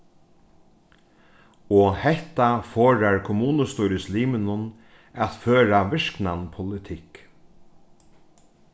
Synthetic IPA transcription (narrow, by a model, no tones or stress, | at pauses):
ɔhɛht̪afoːɹaɹkʰʊmuːnəst̪uːɾɪsliːmɪnʊn | at̪føːɾaʋɪʂknanpʰʊlɪt̪ʰɪk